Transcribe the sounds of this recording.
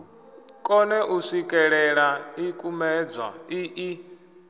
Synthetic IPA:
kʼɔnɛʔusikʼɛɺɛɺaikʼumɛd͡zwa̰iʔi

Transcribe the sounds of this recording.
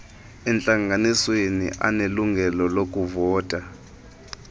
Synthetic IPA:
ɛnt͡ɬʼaŋɡaniswenḭʔa̰neluŋɡʱɛlɔlok̬ʼuvɔːtʼa

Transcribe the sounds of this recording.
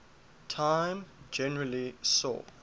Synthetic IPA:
tʰãj̃md͡ʒɛnəɹalisɔ̰

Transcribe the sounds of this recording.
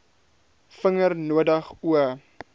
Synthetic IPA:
fəŋərnuədəχuə

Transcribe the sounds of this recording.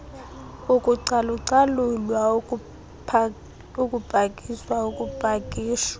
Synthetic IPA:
ukʼuǀaluǀalulwa | ukʼub̥ʱakʼiswaukʼub̥ʱakʼiːʃḁ

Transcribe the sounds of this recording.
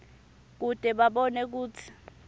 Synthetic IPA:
k̬ud̥ʼʱɛɓaɓɔnɛk̬uːt͡sʰi̥

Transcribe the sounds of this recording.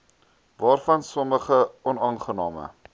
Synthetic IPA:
vɑːrfɐnsɔməχəʔɔnɑːnχənɑːmə̰

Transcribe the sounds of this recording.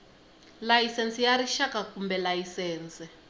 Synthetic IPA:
lajisɛnt͡sijaɾiʃakakumbɛlajisɛːnt͡sɛ

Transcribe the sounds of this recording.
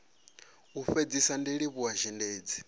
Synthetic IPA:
uɸed͡zisandiɺiβuaʒɛndeːd͡zi̥

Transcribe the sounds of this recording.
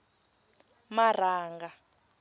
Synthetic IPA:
mar̤aːŋɡa

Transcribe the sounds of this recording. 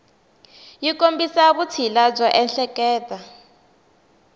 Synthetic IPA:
jikombisaβut͡sʰilab͡ʐɔʔɛnɬɛkɛːta

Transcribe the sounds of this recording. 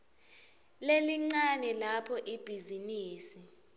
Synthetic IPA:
leliŋ͡ǀanɛlapʰɔʔib̥ʱiziniːsi

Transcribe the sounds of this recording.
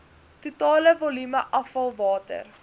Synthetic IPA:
tutɑːləvɔlyməʔɐfɐlˠvɑːtə̰r

